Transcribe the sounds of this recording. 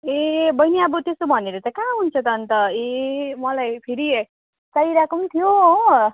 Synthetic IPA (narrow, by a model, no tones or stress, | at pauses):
ebʌjneʌbʌt̪est̪obʱʌneɾʌt͡sakãɦunt͡sʰʌt̪ʌnt̪ʌemʌlajpʰiɾi | t͡sʌiɾakʌmt̪ʰijo